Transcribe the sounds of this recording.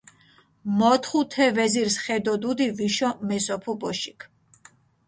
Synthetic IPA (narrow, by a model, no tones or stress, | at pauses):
mɔt̪ʰχut̪ʰɛvɛziɾsχɛd̪ɔd̪ud̪iviʃɔmɛsɔpʰubɔʃikʰ